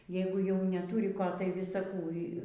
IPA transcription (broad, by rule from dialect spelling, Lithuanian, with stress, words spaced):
ˈjɛɪɡʊ jɛʊ nʲɛˈtuːrʲɪ ˈkoː tɐɪ ˈʋʲɪsɐ ˈkuː